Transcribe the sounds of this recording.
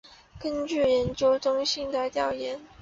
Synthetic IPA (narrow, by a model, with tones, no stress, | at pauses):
kə˥nt͡ɕy˥˩jɛ˧˥nt͡ɕjo˥ʊʈ͡ʂʊ˥ŋɕi˥˩ŋd̪ə˩t̪jɑ˥˩ʊjɛ˧˥n